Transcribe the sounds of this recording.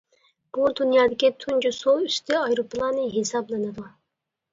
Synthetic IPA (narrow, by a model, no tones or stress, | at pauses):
b̥ud̪unjɑːd̪ɪkʲit̪ʰund͡ʒusoyst̪ʰyɑjɾoplˠɑːnɨɦesɑblˠɑnɨd̪u